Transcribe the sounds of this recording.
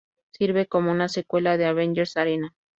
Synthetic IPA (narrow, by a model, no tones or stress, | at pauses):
siɾβeko̞mounasekwe̞laðeaβend͡ʒeɾsaɾena